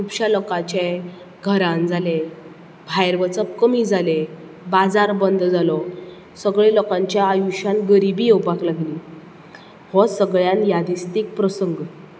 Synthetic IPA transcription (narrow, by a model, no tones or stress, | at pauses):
upɕalɔkat͡ɕe | ɡʱəɾãnd͡zʱale | bʱajɾʋət͡səpkəmid͡zʱale | bad͡zaɾbənd̪d͡zalɔ | səɡɭelɔkãɲt͡ɕjaajuɕãnɡəɾibiːowpaklaɡliː | hɔsəɡɭjanjad̪ist̪ik̚pɾəsəŋɡ